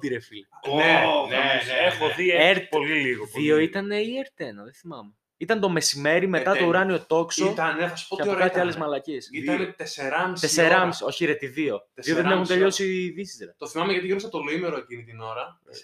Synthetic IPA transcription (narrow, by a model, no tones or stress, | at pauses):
t̪iɾefilneneexoðieɾt̪poliliɣoðio̞it̪ɐneieɾt̪enɐðeθimɐme | it̪ɐnt̪o̞me̞sime̞ɾimet̪ɐt̪ouɾɐnio̞t̪o̞ksot̪ɐneθɐsu̥poɐoɾɐt̪iɐlezmɐlɐcesit̪ɐnet̪eseɾɐmiseseɾɐmisoçiɾet̪iðio̞t̪eðioðenexunt̪e̞ʎo̞siðisi̥zɾɐt̪oθimɐmeʝɐt̪iɣɾosɐt̪oloimeɾoecinit̪ino̞ɾɐ